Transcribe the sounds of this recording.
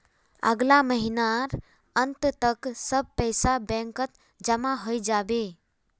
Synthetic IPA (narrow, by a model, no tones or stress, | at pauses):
ə̰ɡlaməɦinaɾ | ənt̪t̪əksəb̚pəjsabɛ̃ŋkət̪ | d͡ʒəmaɦojd͡ʒabe